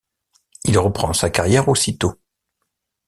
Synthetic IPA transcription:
ilʁəpχɑ̃sakaʁjɛʁosit̪o

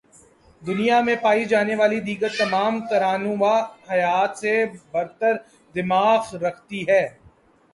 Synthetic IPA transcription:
d̪ʊnijamẽpaːid͡ʒaːneʋaːlid̪iːkət̪ːɐmaːmt̪ɐɾaːnũʋahɐjaːt̪sebɐɾt̪əɾ | d̪ɪmaːxɾɐkʰt̪iɦɛː

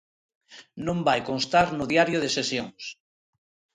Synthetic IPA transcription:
nõmbajkonst̪aɾnʊðjaɾjoð̞esesjoŋs

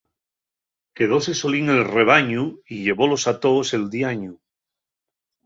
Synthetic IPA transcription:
ke̞ðoseso̞liŋe̞lre̞β̞aɲuiʎe̞βo̞lo̞sat̪ose̞ld̪iaɲu

